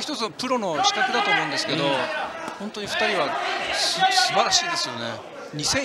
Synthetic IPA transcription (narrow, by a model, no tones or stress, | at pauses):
çi̥t̪o̞t͡sɨnpɯ̟ɾo̞no̞ɕi̥k̪akɯd̪at̪oːmo̞ɯ̃nd̪esɨ̥ke̞d̪o̞hõ̞nt̪o̞ɲ̟iɸɯ̥t̪aɾʲiβasɨsɨbaɾaɕiːd̪e̞sɨjo̞ne̞̰ | ɲ̟isẽ̞